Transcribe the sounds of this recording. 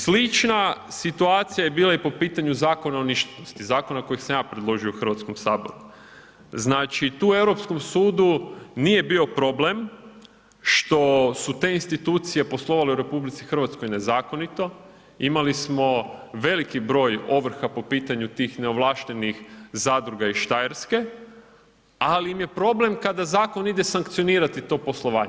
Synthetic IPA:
slit͡ʃnasit̪uaːt̪sijajebiːlaipo̞piːt̪aɲuzaːko̞naoniʃt̪enost̪izaːko̞nako̞jiksamjaːpɾed̪lˠo̞ʒiouxər̩ɾʋat̪ko̞msaːbo̰ɾu | znaːt͡ʃit̪uːe̞wɾo̞psko̞msuːd̪unije̞biːo̞pɾo̞blem | ʃt̪o̞sut̪e̞inst̪it̪uːt̪sije̞po̞slˠo̞ʋale̞uɾe̞publit̪sixər̩ʋat̪sko̞jne̞zaːko̞nit̪o̞ | imalismo̞ʋe̞likibɾo̞ːjo̞ʋr̩xapo̞piːt̪aɲut̪iːxne̞oʋlˠaːʃt̪e̞nixzaːd̪ɾuɡaiʃt̪ajeɾske̞ | aliimje̞pɾo̞ble̞mkad̪azaːko̞nid̪e̞saŋkt̪sioniːɾat̪it̪o̞ːpo̞slˠo̞ʋa̰ːɲe

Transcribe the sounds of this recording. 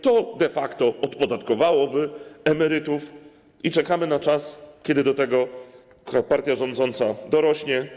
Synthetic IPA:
t̪ɔd̪ɛfakt̪ɔɔt̪pɔd̪at̪kɔvawɔbɘɛmɛɾɘt̪uf | it͡ʂɛkamɘnat͡ʂaskʲɛd̪ɘd̪ɔt̪ɛɡɔ | kpaɾt̪ʲjaʐɔnd̪zɔnt̪sad̪ɔɾɔɕɲɛ

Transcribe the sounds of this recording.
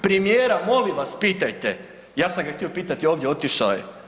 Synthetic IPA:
pɾemijeːɾamo̞liʋaspiːt̪ajt̪e | jaːsamɡaxt̪io̞piːt̪at̪io̞ːʋd̪jeo̞t̪iʃaje

